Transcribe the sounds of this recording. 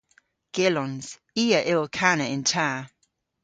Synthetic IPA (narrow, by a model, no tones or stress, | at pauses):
ɡ̥ɪlɔ̃nz̥ | iːəʔɪlˠkʰanəɪ̃ntʰaː